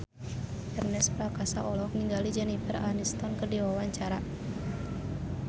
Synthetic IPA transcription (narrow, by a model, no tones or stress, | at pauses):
ʔɛrnɛspɾakasaʔɔlɔk̚niŋɡalid͡ʒɛnifəra̰nist̪ɔnkərdiwawaɲt͡ʃaɾa